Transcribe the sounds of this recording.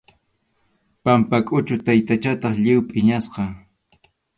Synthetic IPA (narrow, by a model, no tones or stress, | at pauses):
pampakʼʊt͡ʃʊt̪ajt̪at͡ʃat̪ɑχʎɪwpʼɪɲasqɑ